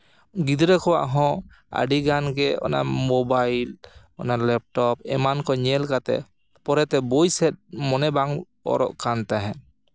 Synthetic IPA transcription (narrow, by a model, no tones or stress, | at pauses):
ɡid̪ɾɛkɔwa̰ʔɦɔ̃ | a̰ɖiɡanɡɛɔ̰na̰mobajl | ɔ̰nalɛp̚ʈɔpɛmankɔɲɛlkat̪ɛ̰ | pɔɾɛt̪ɛbojsɛt̪̚mɔnɛbaŋ | ɔ̰ɾɔ̰ʔkant̪aɦɛ̃